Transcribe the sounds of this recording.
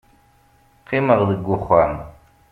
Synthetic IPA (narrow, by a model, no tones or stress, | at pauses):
qʰiməʁðəɡʷːʊχʷæm